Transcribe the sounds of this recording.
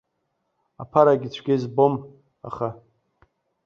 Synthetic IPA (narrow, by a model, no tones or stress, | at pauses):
a̰pʰaɾaɡʲit͡ɕʷʰɡʲezbo̞m | a̰χa